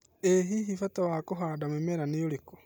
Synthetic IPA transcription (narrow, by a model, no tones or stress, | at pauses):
eɦiɦifatawakoɦadamemeɾanejoliko̥